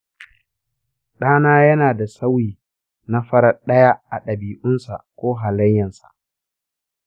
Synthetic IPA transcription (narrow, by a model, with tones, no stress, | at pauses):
ɗaː˦naː˦jɐ˦naː˨da˨sa˦wiː˨ | na˦ɸɐ˦ɽɐ˦ɗɐ˦ja˦ʔa˨ɗɐ˨biː˨ʔʊ˦nsa˨kʷoː˦ɦa˨lɐ˦jːɐ˨nsḁ̰˨ʔ